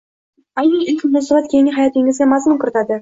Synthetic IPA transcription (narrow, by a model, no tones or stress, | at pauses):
ajnijɪlʲkʲmʊnasɪʁat̪kʲʰeŋɪɦajɑt̪eŋʲɪzɡʲemasmɪŋkʰʊɾɪt̪ʰad̪ɪ